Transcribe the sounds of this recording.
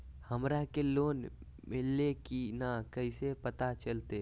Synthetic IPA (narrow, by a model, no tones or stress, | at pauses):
həmɾakeloːn | mɪlːekinakəisepət̪at͡ʃəlt̪e